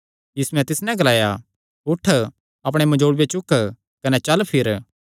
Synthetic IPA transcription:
jiːsuɛ̃t̪ɪsnɛ̃ɡɐlaːja | ʊʈʰː | ɐpɽ̃emɐ̃d͡ʒoːɽbet͡ʃʊk | kɐnɛt͡ʃɐlpʰɪɾ

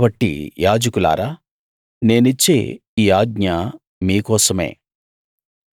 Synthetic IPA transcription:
bɐʈːḭjaːd͡ʒɐkula̰ːɾaː | ne̞ːnit͡ʃːe̞̰ːiːaːɡ̚ɲɐ | miːkɔːsɐme̞̰ː

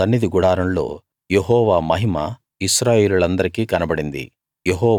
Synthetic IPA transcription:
t̪ɐnːid̪iɡuɽaːɾɐmlo̞̰ː | jeɦɔːʋaːmɐɦima̰ | iʃɾaːjeːluɭɐnd̪ɐɾikiːkɐnɐbɐɽind̪ḭ | jeɦɔː

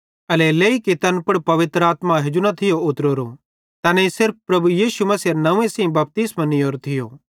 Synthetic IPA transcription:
ɐleleːikit̪ɐnpʊɽpɐʋɪt̪ɾaːt̪mãɦɪd͡ʒunɐt̪ʰɪjoʊt̪ɾoːɾo | t̪ɐːnɛisɪɾp̚ʰpɾɐbujiːʃumɐsiɐnɐũẽsĩbɐp̚t̪ɪsmanɪoːɾt̪ʰɪjo̰ː

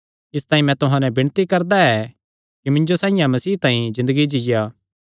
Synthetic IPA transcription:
ɪst̪ãːĩmɛ̃t̪ʊɦãnɛ̃bɪɽ̃t̪ikɐɾd̪aɛ | kimɪ̃ɲd͡ʒosãːɪ̃jãmɐsiːt̪ãːĩzɪ̃nd̪əɡid͡ʒɪja

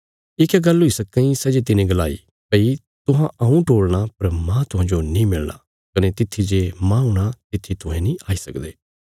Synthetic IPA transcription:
ɪkɛɡɐlɦʊisɐkːɐ̃ĩsɛd͡ʒet̪̬ɪnẽɡɐla̰ːḭ | pɐi | t̪ʊɦãʔɐũʈoːɽɽ̃apɐɾmãt̪ʊɦãːd͡ʒonĩmɪlna̰ | kɐnet̪ɪt̪ʰːid͡ʒemãũɽ̃at̪ɪt̪ʰːit̪ʊɦẽnĩʔaːisɐkd̪eː

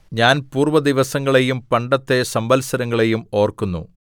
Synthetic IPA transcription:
ɲaːnpuːrʋɐd̪iʋɐsɐŋːɐɭe̞jumpɐɳɖɐt̪ːe̞sɐmbɐlsɐɾɐŋːɐɭe̞jumo̞ːrkunːṵ

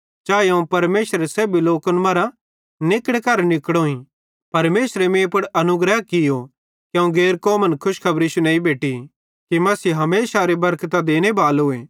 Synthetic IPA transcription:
t͡ʃaːeɐ̃ũpɐɾmeːsɾesɛbiloːkənmɐɾã | nɪkəɽekɐɾnɪkɽõːĩ | pɐɾmeːsɾemẽːpʊɽɐnʊɡɾəɦkɪjo | kjɐ̃ũɡeːɾkɔːmənkʰʊʃkʰɐbɾiːʃunãːĩbeːʈi | kimɐsiːɦɐmeːsaɾebɐɾkt̪ad̪eːnebaːlɦʊeː

